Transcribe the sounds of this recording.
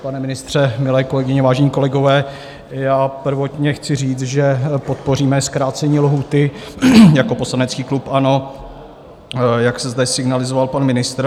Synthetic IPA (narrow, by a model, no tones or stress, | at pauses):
panɛmɪnɪst̪r̝̥ɛmɪlɛːko̞lɛɡɪɲɛvaːʒɛɲiːko̞lɛɡo̞vɛː | jaːpr̩vo̞t̪ɲɛxt͡sɪriːt͡sʒɛpo̞t̪po̞riːmɛskɾaːt͡sɛɲiːlɦuːt̪ɪjako̞po̞slanɛt͡skiːklupʔano̞ | jaksɛzd̪ɛsɪɡnalɪzovalpanmɪnɪst̪ɾ